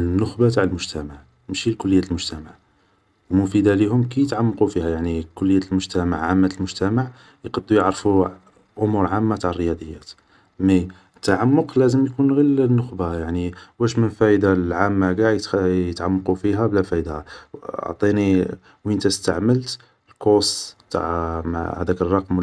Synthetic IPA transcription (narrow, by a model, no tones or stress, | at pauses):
nːʊxbat̪aʕəlmʊʒt̪æmaʕ | mʃilkʊlːəjːæt̪lmʊʒt̪æmaʕ | wmʊfid̪alihʊmkijət̪ʕamːqufihæjaʕnikʊlːəjːæt̪lmʊʒt̪æmaʕʕamːæt̪əlmʊʒt̪æmaʕ | jqɑd̪ːujəʕɾfu | ʔʊmuɾʕamːat̪aʕərːəjɑd̪ˤəjːæt̪ | mi | t̪ːaʕamːʊqlæzəmjkunɣilənːʊxbajaʕniwæʃmənfæjd̪alʕamːaɡaʕjət̪jət̪ʕamːqufiɦæblæfæd̪hao̰ʕt̪ˤini | wiʔənt̪æst̪aʕməlt̪ | lkost̪a̰ʕm̰æ̰d̪ækərˤːɑqm